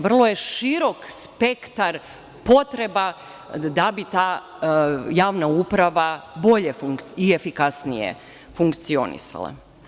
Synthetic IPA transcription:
ʋr̩lˠojeʃiɾo̞kspekt̪aɾ | po̞t̪ɾe̞ba | d̪abit̪aː | jaːʋnaupɾaʋabo̞ʎefuŋkiefikasnijḛ | fuŋkt̪sio̞̰nḭsa̰lˠa̰

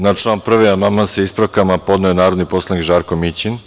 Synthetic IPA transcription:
nat͡ʃlˠaːnupr̩ʋejamamaseispɾakamapo̞d̪najonaːɾod̪nipo̞slˠanikʒaːɾkomit͡ɕin

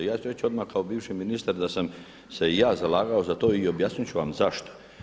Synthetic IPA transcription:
jaːsʋet͡ʃo̞d̪̚mahkaobiːʋʃiminist̪aɾd̪asam | se̞ijaːzalaːɡaozat̪oːio̞bjaːsnʲut͡ɕuʋamzaʃt̪o̥

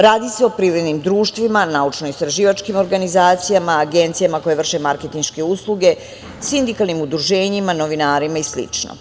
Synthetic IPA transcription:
ɾaːd̪ise̞o̞pɾiːʋɾed̪nimd̪ɾuːʃt̪ʋimanaut͡ʃnoist̪ɾaʒiːʋat͡ʃkimo̞ɾɡanizaːt̪sijamaːɡe̞nt̪sijamako̞jeʋr̩ʃemaɾket̪inʃke̞uslˠuɡe̞ | sind̪ikalˠnimud̪ɾuʒe̞ːɲimano̞ʋinaːɾimaislḭt͡ʃno̰

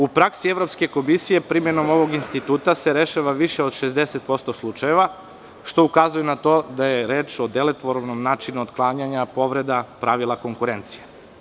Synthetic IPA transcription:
upɾaksieʋɾo̞pske̞ko̞misije̞pɾimje̞no̞mo̞ʋo̞ɡinst̪it̪uːt̪ase̞ɾe̞ʃaʋaʋiʃeo̞d̪ʃe̞zd̪ese̞t̪̚po̞st̪o̞slˠut͡ʃaje̞ʋa | ʃt̪o̞ukazujunat̪o̞ːd̪aje̞ɾeːt͡ʃo̞d̪elet̪ʋoɾʋnomnaːt͡ʃinuod̪klˠaːɲaɲapo̞ʋɾe̞d̪apɾaʋilˠako̞ŋkuɾe̞nt̪sije

